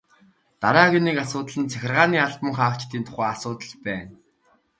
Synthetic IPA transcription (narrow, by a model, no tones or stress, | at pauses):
t̪aɾaːɣeniːkasʊːt̪ə̆ɮə̆nt͡sʰæxʲɪ̆rʁaːniːaɮpə̆ŋχaːwt͡ɕt̪iːnt̪ʰʊ̥χæːasʊːt̪ə̆ɮpæːn